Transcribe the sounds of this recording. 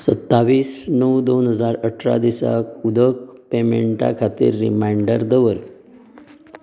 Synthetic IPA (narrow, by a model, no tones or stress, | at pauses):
sət̪ːaʋiːsnəwd̪onɦəd͡zaɾəʈʰɾa̰d̪isa̰kud̪əkpemeɳʈa̰kʰat̪ḭːɾːḭmaɳɖəɾd̪əʋəɾ